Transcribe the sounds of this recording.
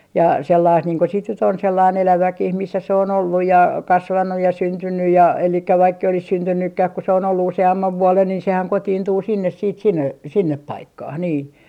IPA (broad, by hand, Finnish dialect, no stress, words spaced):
jɑ selːɑist niːŋ ko sit nyt on selːɑin elæʋækih misːæ se on olːuj jɑ kɑsʋɑnːuj jɑ syntynːyj jɑ elikːæ ʋɑikː ei olis syntynːykːæh ku se on olːu useɑmːɑʋ ʋuolen niːn sehæn kotiːntuː sinːes siːt sinːe sinːep pɑikːɑh niː